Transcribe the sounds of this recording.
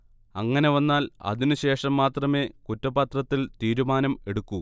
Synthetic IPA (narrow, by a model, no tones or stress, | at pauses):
ɐŋːɐne̞ʋɐnːaːlɐ̰ðinuɕe̞ːʂɐmːaːt̪rɐme̞ːkutːɐbɐt̪rɐt̪ːilt̪iːɾumaːnɐme̞ɽukːu